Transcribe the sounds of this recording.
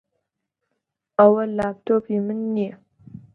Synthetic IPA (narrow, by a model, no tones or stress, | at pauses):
ɐwɐlːaːp̚tʰoːpimɨnːi